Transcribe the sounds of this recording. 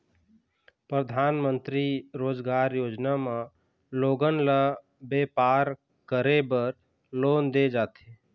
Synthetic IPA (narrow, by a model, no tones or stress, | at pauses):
pɾəd̪ʱaːnmə̃nt̪ɾiɾoːd͡ʒɡaːɾjoːd͡ʒnamã | loːɡənla | beːpaːɾ | kəɾebəɾ | loːnd̪ed͡ʒaːt̪ʰeː